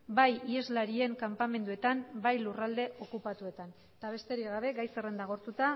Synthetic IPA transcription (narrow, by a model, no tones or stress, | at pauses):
bajie̞zlaɾie̞ŋkampame̞nd̪ue̞t̪ambajlurald̪e̞ʔo̞kupat̪ue̞t̪an | t̪aβ̞e̞st̪e̞ɾiɣaβe̞ɡajse̞re̞nd̪aɣ̞o̞ɾt̪ut̪a